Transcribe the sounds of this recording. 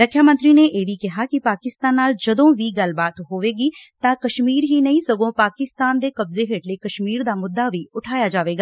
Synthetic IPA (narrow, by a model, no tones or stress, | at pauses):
ɾəkʰːjaːmə̃nt̪ɾiːneːʔeːʋiːkɪɦaːkɪpaːkɪst̪aːnːaːld͡ʒəd̪õːʋiːɡəlbaːt̪ɦoːʋeːɡiːt̪ãːkəʃmiːɾɦiːnəĩːsəɡõːpaːkɪst̪aːnd̪eːkəbzeːɦeːʈleːkəʃmiːɾd̪aːmʊd̪ːaːʋiːʊʈʰaːjaːd͡ʒaːʋeːɡaː